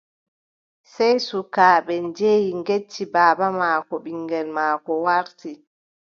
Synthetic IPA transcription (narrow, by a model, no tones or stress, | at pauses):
sɛjsukaːɓɛnd͡ʒeːjiŋɡet͡ʃːibaːbamaːkɔɓiŋɡɛlmaːkɔwaɾti